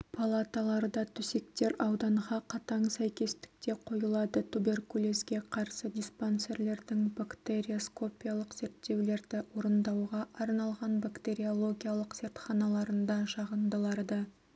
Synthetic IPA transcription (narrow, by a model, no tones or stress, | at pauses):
pʰalˠat̪alˠɑɾd̪ɑt̪ʰʏse̞kt̪e̞ɾɑwd̪ɑɴʁɑqʰɑt̪ɑɴsæjkʲe̞st̪ɪ̥k̚t̪e̞qʰo̞jəlˠɑd̪ət̪ʰube̞rkulʲˠesɡʲe̞qʰɑɾsəd̪ʲisponse̞ɾle̞ɾd̪ɪŋbakt̪e̞ɾʲiosko̞pʲijalˠəqz̥e̞ɾt̪ːe̞wle̞ɾd̪ɪwo̞ɾənd̪ɑwʁɑʔɑɾnɑlˠʁɑnbakt̪e̞ɾʲio̞lˠo̞ɡʲijalˠəqz̥e̞ɾt̪χɑnɑlˠɑɾənd̪ɑʃɑʁənd̪əlˠɑɾd̪ə